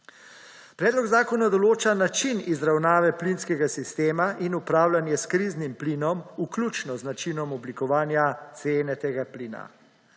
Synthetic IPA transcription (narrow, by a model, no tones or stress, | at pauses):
pɾɛːd̪lɔɡzaːkɔnad̪ɔloːt͡ʃanat͡ʃinizɾawnaːʋɛplinskɛɡasist̪eːmaʔinupɾaːwlanjɛskɾiznimpliːnɔmuklʲut͡ʃnɔznat͡ʃinɔmɔblikɔʋaːnjat̪seːnɛt̪eːɡapliːna̰